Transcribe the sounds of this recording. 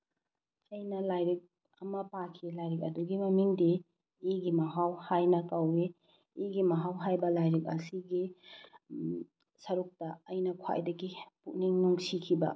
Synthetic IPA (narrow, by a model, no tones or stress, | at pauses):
ɐjnɐlajɾik̚ | ɐmɐpakʰilajɾik̬̚ɐduɡimɐmiŋdiː | ɡimɐɦawhajnɐkaweː | ɡimɐɦawɦajbɐlajɾik̚ɐ̰siɡi | sɐɾuk̚tɐɐjnɐkʰwa̰jdɐɡipuʔ̚niŋnuŋsikʰibɐ̰